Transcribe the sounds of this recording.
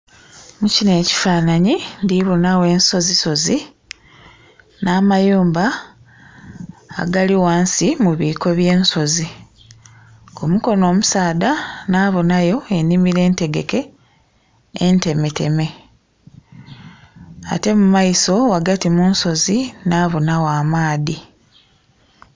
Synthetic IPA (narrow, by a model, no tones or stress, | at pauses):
mucine̞ːci̥faːnaɲindiβonawe̞ːnso̞ziso̞zi | naːmajuːmba | ɡaliwaːnsimuβiːko̞βje̞ːnso̞zi | omuko̞no̞ːmusaːdanaːβonajo̞e̞nimiɾe̞ːnte̞ɡe̞ke̞ | nte̞mete̞me̞ | a̰te̞mumaiso̞waɡatimuːnso̞zinaːβonawaːmaːði